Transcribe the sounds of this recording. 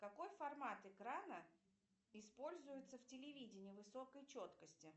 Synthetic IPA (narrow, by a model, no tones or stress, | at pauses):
kɐko̞jfɐrmat̪ɨkɾanə | ɪspo̞lʲzʊjɪt̪səftʲɪlʲɪvʲidʲɪnʲɪvɨso̞kəjt͡ɕo̞t̪kəsʲtʲɪ